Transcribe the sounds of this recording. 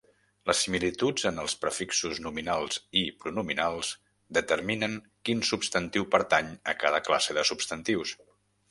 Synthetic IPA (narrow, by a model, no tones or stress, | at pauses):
ləsːimilit̪ud͡zənəlˠspɾəfiksuznuminalˠz̥ipɾunuminalˠz̥ | d̪ət̪əɾminəŋ | kinsupst̪ənt̪iwpəɾt̪aɲəkaðəkla̰seðəsupst̪ənt̪iws